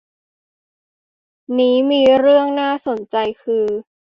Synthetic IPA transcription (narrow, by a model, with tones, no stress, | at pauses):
niː˦˥miː˧ɾɯ˥˩əŋnaː˥˩so˩˦nt͡ɕa˧jkʰɯː˧